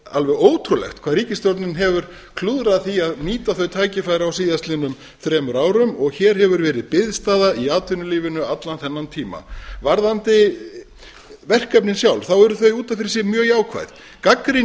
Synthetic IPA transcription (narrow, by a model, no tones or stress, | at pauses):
alvɛɣoːwt̪ʰɾulɛ̰xt̪kʰvaðɾiːcɪst̪jowɾt̪nɪnɦɛvʏɾ̥ | kʰluːðɾaðθiaðniːt̪aθœɥt̪ʰaːjcɪfajɾɪawsiːðast̪lɪnʏm | θɾɛːmʏɾaːwɾʏmɔɣçɛːɾ̥ɦɛvʏɾvɛːɾɪðpɪðst̪aːðaiaːt̪ʰʏnʏliːvɪnʏat̪lanθɛnːant̪ʰiːma̰vaɾðant̪ɪ | vɛr̥kœpnɪnsjawlθawɛɾʏθœɥjuːt̪anfɪɾɪ̥sɪmjœːɣjaːwkʰva̰jð̥ | kakɾi